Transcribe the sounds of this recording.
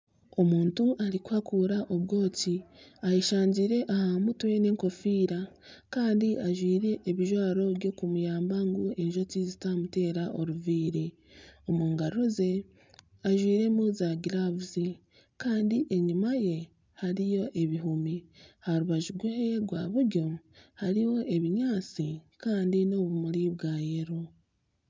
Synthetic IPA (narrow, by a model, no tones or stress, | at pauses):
o̞muːntuʔaɾikuhakuːɾaʔo̞βɡo̞ːciajeʃaːɲɟiːɾe̞ʔahamutwe̞ne̞ːŋko̞fiːɾa | kaːndiʔaʒwiːɾe̞ʔːβiʒwaːɾo̞βjo̞kumujaːmbaŋɡue̞ɲʒo̞tizitamute̞ːɾaʔo̞ɾuviːɾe | o̞muːŋɡaɾoze̞ | aʒwiːɾe̞muzaːɡiɾaβuzi | kaːndiʔe̞ɲumaje̞ | haɾijo̞ʔe̞βiɦumihaɾuβaʒuɡweeɡwaːβuɾɟo̞haɾiwo̞ʔe̞βiɲaːt͡sikaːndino̞ːβumuɾiβɡaːje̞ɾu